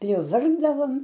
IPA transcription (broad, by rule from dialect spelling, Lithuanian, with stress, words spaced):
pʲrʲɪˈʋɐrɡdɐʋoːm